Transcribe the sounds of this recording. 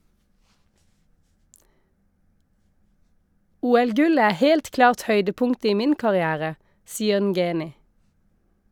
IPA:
ˈuːɛlˌɡʉlə ˈæː ˈheːlt ˈklɑːʁt ˈhœʏdəˌpʊŋt ˈiː ˈmɪn kɑʁɪˈæːʁə ˈsiːəʁ ˈnɡeːnɪ

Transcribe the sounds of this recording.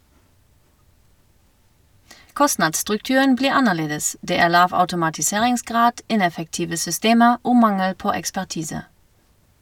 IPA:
ˈkɔsnɑdstʁʉkˌtʉən ˈbliːʁ ˈɑnəˌleːdəs ˈdeː ˈæːʁ ˈlɑːʋ ɑʉtʊmɑtɪˈseːʁɪŋsˌɡʁɑːd ˈɪnɛfəkˌtiːʋə sʏˈsteːməʁ ˈoː ˈmɑŋəl ˈpoː ɛkspæʁˈtiːsə

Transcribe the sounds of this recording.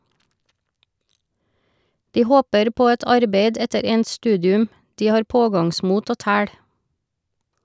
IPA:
ˈdiː ˈhoːpəɾ ˈpoː ˈɛt ˈɑɾbeɪd ˈɛtəɾ ˈɛnt ˈstʉːdɪʉm ˈdiː ˈhɑːɾ ˈpoːɡɑŋˌsmuːt ˈoː ˈtæːɽ

